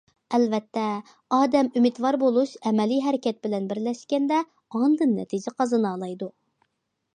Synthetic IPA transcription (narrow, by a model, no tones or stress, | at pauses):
ɛlvɛt̪ʰːɛ | ɑːd̪ɛmymɪt̪wɑɾbolˠuʃɛmɛliɦɛɾɪkʲʰɛt̪̚bɪlɛnbɪɾlɛʃkʲɛnd̪ɛ | ɑnd̪ɨnːɛ̰t̪ʰid͡ʒɪqʰɑzɨnɑːlˠɑjd̪u